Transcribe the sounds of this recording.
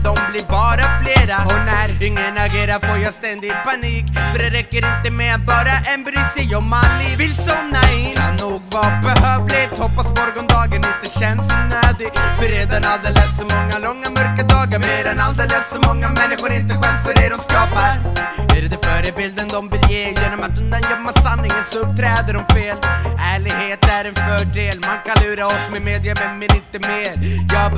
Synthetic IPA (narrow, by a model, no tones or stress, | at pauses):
d̪ɔmblɪɾbɑːɾafleːɾaɔnæɾɪŋːənaɡeːɾaɾfoːɾjɑst̪ɛnd̪ɪɡpʰaniːkfœɾd̪ɛɾɛkːəɾɪnt̪əmɛat̪̚bɑːɾaʔɛnbɾʏsɪjɔmanːɪvɪlsɔmnaɪanuːɡvabɛɦøːvlɪt̪hɔpːasmɔɾɡɔnd̪ɑːɡənɪnt̪əɕɛnsɔnøːd̪ɪɡfœɾeːd̪anald̪eːlɛsːɔmɔŋːalɔŋːamœɾkad̪ɑːɡaɾmeːanald̪eːlɛssɔmɔŋːamɛnːɪɧʊɾɪnt̪əɧɛlsfœɖɛɖɔmskɑːpaæɾd̪ɛfœːɾəbɪld̪ənd̪ɔmbɛjeːjeːnɔmat̪̚d̪ɔnd̪ajœmːasanːɪŋənsɵp̚t̪ʰɾɛːd̪əɾɔmfeːlʔæːɭɪɡheːt̪æɾɛnfœːɖeːlmankʰanlʉ̟ːɾaɔsmɛmeːd̪ɪamɛnːɛnɪnt̪əmeːɾjɑː